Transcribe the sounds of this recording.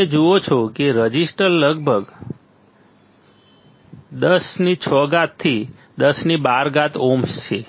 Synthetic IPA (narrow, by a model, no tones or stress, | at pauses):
ed͡ʒuot͡ʃʰokeɾəd͡ʒisʈəɾləɡbʱəɡ | d̪əsnit͡ʃʰɔɡat̪ʰːi | d̪əsnibaɾɡat̪omst͡ʃʰe